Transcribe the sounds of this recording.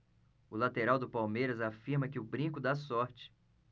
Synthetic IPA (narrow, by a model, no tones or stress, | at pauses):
ʊlat̪eɾawd̪ʊpawmejɾɐzafiɾmɐkɪʊbɾĩkʊd̪asɔɾt͡ʃɪ̥